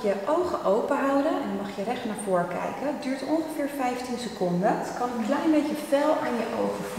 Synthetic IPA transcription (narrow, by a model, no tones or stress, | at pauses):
jəʔowχəʔowpəɦɑwdənɛnmɑχjərɛχtnaːɹvʊːɹəkɛ̰jkədyːɹtɔnχəvɪːɹfɛjftinsəkɔndəkɑnəkəŋklɛjənmbejcəvɛlˠaːnjəʔowχəvu